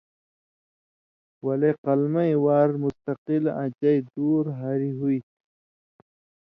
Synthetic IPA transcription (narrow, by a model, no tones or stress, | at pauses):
wɐleqɐlmaiwaːɾmʊst̪aqilã̰t͡ʃajd̪uːɾɦaɾiɦui